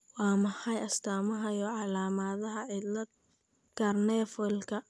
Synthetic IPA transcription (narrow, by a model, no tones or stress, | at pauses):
wɑːmɐħɑjɐst̪ʰaːmɐɦɐjɔːʕɑlaːmaðɐɦɐʕɪd̪lɐd̪̚ | karnɛfɔlkʰɐ